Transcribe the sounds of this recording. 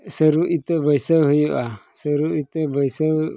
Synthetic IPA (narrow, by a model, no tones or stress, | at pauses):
səɾuʔit̪ɛbəjsəwɦujuʔasəɾuit̪ɛbəjsəw